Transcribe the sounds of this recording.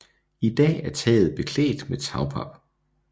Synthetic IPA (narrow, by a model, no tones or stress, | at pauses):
id̥ɛ̰ːæɐt͡sʰɛːð̞̩ˠb̥e̝kʰlḛːd̥met͡sʰɑ̈ʊpʰɑb̥